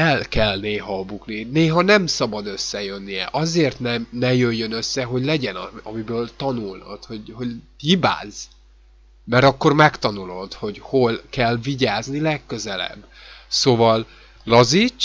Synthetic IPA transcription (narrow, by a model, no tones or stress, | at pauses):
ɛlkɛlneːɦɒbuknineːɦɒnɛmsɒbɒd̪ø̞sːɛjø̞nːiɛ̰ʔɒzeːrt̪nɛmnɛjøjːønø̞sːɛɦo̞ɟlɛɟɛnɒɒmibøːlt̪ɒnulnɒ̰t̪ho̞ɟho̞ɟhiba̰ːz | mɛɾɒkːo̞rmɛkt̪ɒnulo̞d̪ho̞ɟho̞lkɛlviɟaːznilɛkːø̞zɛlɛ̰bːsoːvɒl | lɒzit͡ʃː